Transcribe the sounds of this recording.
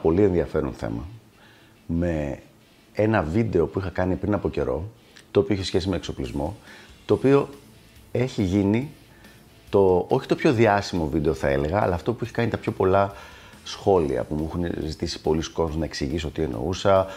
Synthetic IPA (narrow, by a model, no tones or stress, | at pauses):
po̞lie̞nðiɐfe̞ɾonθe̞̰mɐ | me̞ | enɐvid̪e̞o̞puixɐkɐnipɾinɐpo̞ce̞ɾo̞̰ | t̪oːpio̞içesçe̞sime̞ːkso̞plizmo̞t̪o̞ːpio̞ | e̞çiʝini | t̪o̞oçi̥t̪o̞pço̞ðiɐsimo̞vid̪e̞o̞θɐe̞le̞ɣɐ̰ːlɐːft̪o̞puiçe̥kɐnit̪ɐpço̞po̞lɐsxo̞lḭɐ̰pumuuxunzit̪isi̥po̞lisko̞ɾoznɐeksiʝisot̪ie̞no̞̰usɐ